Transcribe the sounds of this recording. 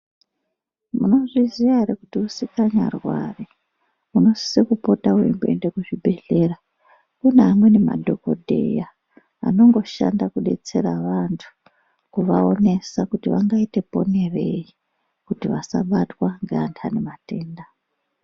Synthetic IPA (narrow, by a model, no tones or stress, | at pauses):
muno̞ʐiziaɾekutiusikaɲa̰rwa̰ri | uno̞si̥sekupo̞tawḛmbe̞̰ndekuʐibʱe̞ɮe̞ra | kuneamwe̞ne̞ma̰dʱo̞ko̞̰dʱe̞̰ja | a̰no̞ŋɡo̞ʃa̰ndakuɗe̞̰t͡se̞ɾaʋantʰu̥ | kuʋao̞ne̞sakutiʋaŋɡaite̞po̞̰ne̞re̞i | kutiʋasa̰ɓatwaŋɡantʰane̞mate̞ːnda